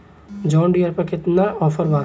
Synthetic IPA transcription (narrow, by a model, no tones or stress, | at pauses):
d͡ʒɔːɳɖiːəɾpɐɾkɪt̪naʔɔːfʰəɾʋaː